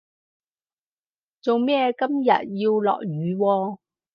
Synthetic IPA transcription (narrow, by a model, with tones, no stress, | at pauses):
t͡so˨wmɛː˥kɐ˥mjɐ̰˨t̚ji˧wlɔ̰ː˨k̚jyː˨˧wɔː˧